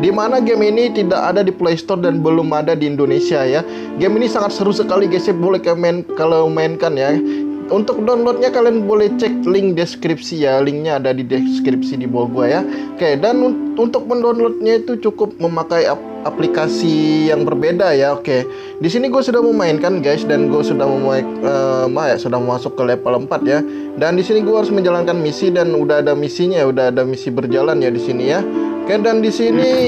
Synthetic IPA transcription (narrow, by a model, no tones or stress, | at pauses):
dimanaɡeminit̪idaka̰dadiplejst̪ɔrdanbəlʊmadadiːndonesiaja | ɡeminisaŋat̪̚səɾusəkaliɡajsabolɛhkaamaɪnkalowmaɪnkanja | unt̪ʊk̚danlɔt̪̚ɲakalianbolɛht͡ʃɛk̚lɪŋdeskɾip̚sijalɪŋɲaːdadideskɾip̚sidibaɡuajakajadanuunt̪ʊk̚məndɔnlɔt̪̚ɲait̪ut͡ʃukʊp̚məmakaia | ʔaplikasijaŋbərbedajaoke | disiniɡuasudahməmaɪnkanɡajsdanɡuasudahməmuaj | əbaɦjaʔsudahməmasʊkːəlepaləmpat̪̚ja | dandisiniɡuaɦaɾʊsməɲd͡ʒalankanmisidanudaɦadamisiɲaudaɦadamisibərd͡ʒalanjadisinijakajaʔdandisini